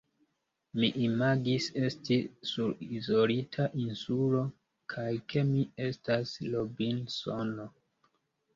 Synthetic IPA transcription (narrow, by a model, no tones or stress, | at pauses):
miʔimaɡise̞stisuɾizo̞litʰaʔinsulo̞ | kʰajkʰe̞mie̞staslo̞binsono